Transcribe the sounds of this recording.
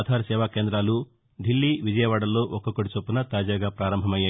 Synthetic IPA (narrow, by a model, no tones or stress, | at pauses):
d̪ʱaːɾɐsɛːʋaːkeːnd̪ɾaːlu | ɖ̪ʱilːiːʋid͡ʒɐjɐʋaːɽɐlːo̞ːʔɔkɐkɐʈit͡ʃopːunɐt̪aːd͡ʒaːɡaːpɾaːɾɐmbʱɐmɐja